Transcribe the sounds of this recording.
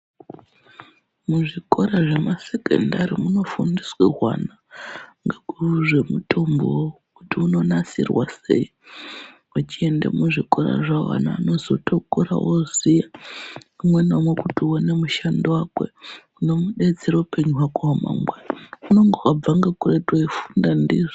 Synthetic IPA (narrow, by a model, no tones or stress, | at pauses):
muʐiko̞ɾaʐe̞mase̞kḛndaɾimuno̞fundiswḭɦwa̰naŋɡekʐemutʰo̞mbookutiuno̞nasḭrwasḛi | wat͡ʃie̞ndḛmuʐikʼo̞ɾa̰ʐawa̰na̰ːno̞zotʰokoɾa̰ʔozija | umwe̞nomwekutiwonemuʃandowakwḛuno̞muɗe̞d͡zeɾaupe̞ɲuɦwakooma̰mweuno̞ŋɡowab͡vaŋɡakuretwoifundandiːʐii